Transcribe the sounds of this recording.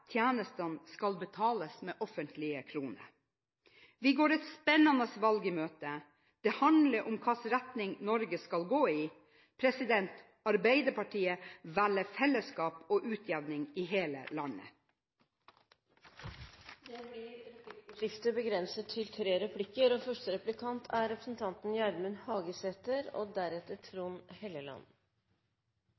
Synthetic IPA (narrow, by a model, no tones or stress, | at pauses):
t̪ʰjæːnəst̪ənskɑlbət̪ʰɑːləsmeːʔɔfənt̪ʰlɪəkʰɾuːnə̰ɾ | ʋɪɡoːɾɛt̪spɛnːɑnəsʋɑlɡəmøːt̪ə | d̪̥ɛhɑnd̪ləɾʔʊmkʰɑːsɾæt̪nɪŋnɔɾɡəskɑlɡoːiː | pʰɾɛsɪd̪ɛnt̪ | ɑɾbæɪd̪əpɑʈʰiːəʋæləfɛlːəskɑːpoːʔʉːt̪ʰjæʋnɪŋiːɦeːlə̰lɑnːə̰ | d̪ɛblɪɾɾɪʂɪft̪əbəɡɾɛnsət̪ʰːɪlt̪ʰɾeːɾɛpʰlɪkːəɾoːfœʂʈəɾɛplɪkʰɑnt̪ʰæɾɛpɾəsn̩t̪ʰɑnt̪n̩jæɾmənhɑːɡəseːt̪əɾo̰ːd̪æɾɛt̪ːəʈʰɾuːnhɛləlɑ̰n